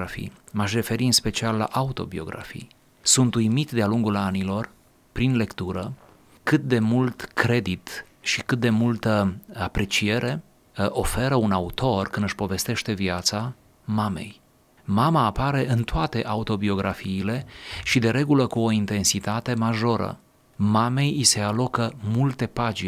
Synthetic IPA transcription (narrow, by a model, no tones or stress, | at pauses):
afḭmaʃre̞fe̞ɾiɨnspe̞t͡ʃialːa̰ʔaut̪o̞̰bio̞̰ɡɾa̰fḭj | sunt̪ujmit̪d̪ealuŋɡulanilo̞r | pɾinle̞kt̪uɾə | kɨt̪̚d̪e̞mult̪kɾe̞d̪it̪ | ʃikɨt̪̚d̪e̞mult̪əapɾe̞t͡ʃie̞ɾʔe̞ | ʔo̞fe̞ɾəunaut̪o̞rkɨnd̪ɨʃpo̞ve̞st̪e̞ʃt̪e̞viat̪sa | mame̞̰j | mamaːpaɾe̞ʔɨnt̪oat̪e̞ʔaut̪o̞bio̞ɡɾʔafiːle̞ʃid̪e̞ɾe̞ɡuləkuo̞int̪e̞nsit̪at̪e̞maʒo̞ɾə̰ | mame̞jise̞alo̞kəmult̪e̞pad͡ʒi